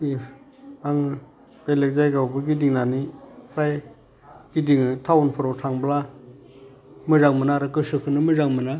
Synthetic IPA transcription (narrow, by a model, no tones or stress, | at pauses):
i | aŋɯ | b̥elek̚zajɡawbɯɡidiŋnanipʰɾaj | ɡ̥idiŋɯtʰawunpʰɔɾɔtʰaŋbla | mɯzaŋmɯnaɾɯkɯsɯkʰɯnɯmɯzaŋmɯna